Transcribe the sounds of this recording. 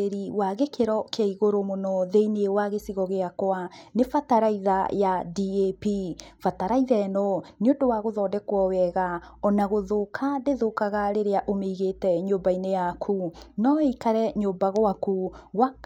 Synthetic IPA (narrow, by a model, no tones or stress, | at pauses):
eɾiwaɣekeɾɔkʰeaiɣoɾomonɔðeineewaɣesiɣɔɣeakwanefataɾaiða̰jadiepifataɾaiðɛɛnɔneodowaɣoðɔːdɛkwɔwɛɣaɔnaɣoðokʰadeðokaɣaɾeɾeaʔomeiɣetɛɲoːmbainejakʰunɔeikaɾɛɲoːbaɣoakuɣwa